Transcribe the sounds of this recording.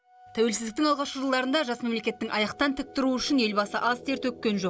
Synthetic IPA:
t̪ʰæwe̞lsɪzd̪ɪkt̪ɪŋɑlˠʁɑʃəʒəlˠd̪ɑɾənd̪ɑʒɑsme̞mle̞kʲe̞t̪ːɪŋʔɑjɑq̚t̪ɑnt̪ʰɪk̚t̪ɪɾuʏʃɪne̞lbɑsəʔɑzt̪ʰe̞ɾt̪ɵkʲːe̞nʒo̞q

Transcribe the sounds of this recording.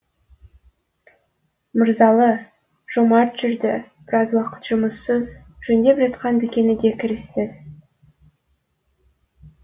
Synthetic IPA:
məɾzɑlˠə | ʒ̥omɑɾt̪ʒ̥ʏɾd̪ɪb̥ɪɾɑzwɑqə̥t̪ʒ̥ʊməsːəz | ʒ̥ɵnd̪e̞pʒɑt̪qɑnd̪ɪkʲe̞nɪd̪e̞kʲʰɪɾɪsːɪz̥

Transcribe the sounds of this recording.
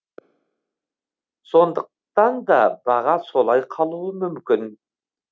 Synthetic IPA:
so̞nd̪əq̚t̪ɑnd̪ɑ̰bɑʁɑso̞lˠɑjqʰɑlˠuəmʏmkʲɪn

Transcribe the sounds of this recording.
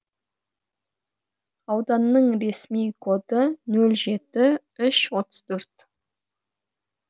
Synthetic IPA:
ɑwd̪ɑnːəɴɾe̞smijkʰo̞d̪ənɵlʒe̞t̪ɪ | ʏʃwo̞t̪ə̥z̥t̪ʰɵɾt̪

